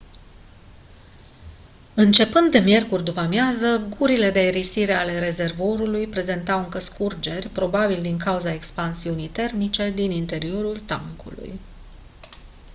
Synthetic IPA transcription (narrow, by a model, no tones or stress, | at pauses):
ɨnt͡ʃe̞pɨnd̪ːe̞mje̞rkurʲd̪upamjazəɡuɾile̞d̪eeɾisiɾe̞ale̞ɾe̞ze̞rvo̞ɾulujpɾe̞ze̞nt̪awɨŋkəskurd͡ʒe̞rʲpɾo̞babild̪iŋkauzae̞kspansiunijt̪e̞rmit͡ʃe̞d̪inint̪e̞ɾio̞ɾult̪a̰ŋkṵlṵj